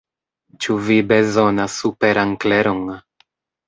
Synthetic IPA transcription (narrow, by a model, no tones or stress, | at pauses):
t͡ʃuvibe̞zo̞nasːupe̞ɾaŋkleɾoŋ